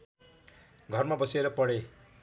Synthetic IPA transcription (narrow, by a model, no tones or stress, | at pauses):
ɡʱʌrmabʌseɾʌpʌɽe